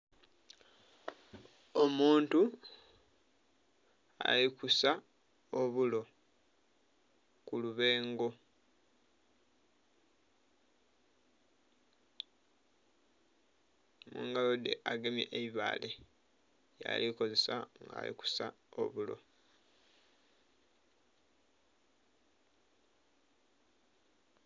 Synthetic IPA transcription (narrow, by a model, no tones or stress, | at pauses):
omuːntu | a̰likusa | oβulo̞ | kuluβe̞ːŋɡo̞ | muːŋɡalod̪eʔaɡe̞mjeʔeiβa̰ːle̞ | ja̰liko̞ze̞saŋɡa̰ːlḭku̥sa̰ | o̞̰βulo̞̰